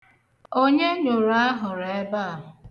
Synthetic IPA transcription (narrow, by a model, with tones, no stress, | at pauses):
o˦ɲe˦ɲo˨ɾa˦ɦʊ˨ɾe˨˦ba˦˨ɦ